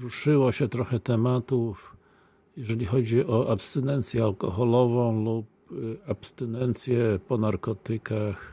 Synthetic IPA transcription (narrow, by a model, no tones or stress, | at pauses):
ɾuʂɘwɔɕɛt̪ɾɔxɛt̪ɛmat̪uf | jɛʐɛlʲixɔd͡ʑiʔɔʔapst̪ɛnɛnt̪sʲjɛalkɔxɔlɔvɔ̃w̃lup | apst̪ɛnɛnt̪sʲjɛpɔnaɾkɔt̪ɘkax